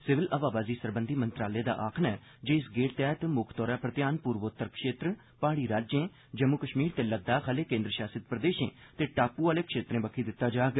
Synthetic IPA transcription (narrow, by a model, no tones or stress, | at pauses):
sɪʋɪlʔəʋaːbaːziːsəɾbənd̪ʱiːmənt̪ɾaːleːd̪a̰ːʔaːkʰnɛː | d͡ʒeːɪsɡeːʈt̪ɛːt̪mʊkʰt̪ɔːɾaːpɾət̪jaːnpuːɾʋot̪ːəɾkʰʃeːt̪ɾ | paːɽ̃iːɾaːd͡ʒẽː | d͡ʒəmukəʃmiːɾt̪eːləɡ̚d̪aːkʰaːleːkẽːnd̪ɾəʃaːsɪt̪pɾəd̪eːʃḛ̃ːt̪eːʈaːpuːaːleːkʰʃeːt̪ɾẽːbəkʰiːd̪ɪt̪ːaːd͡ʒaːɡ